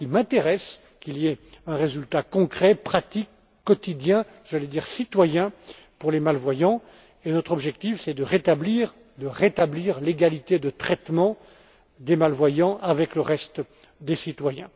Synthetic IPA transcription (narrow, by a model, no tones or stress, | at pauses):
kimɛ̃t̪eʁɛs | kʲiliɛɛ̃ʁezylt̪akɔ̃kχɛpχat̪ikː | ɔt̪id̪jɛ̃ | ʒ̥aled̪iːʁsit̪wajɛ̃ | puʁlemalvwajɑ̃ | enɔt̪χɔbʒɛk̚t̪ifsɛd̪əʁet̪abliːʁ | d̪əʁet̪abliʁleɡalit̪ed̪ət̪χɛt̪mɑ̃ | d̪emalvwajɑ̃ʔavɛkləʁɛst̪ | d̪esit̪wajɛ̃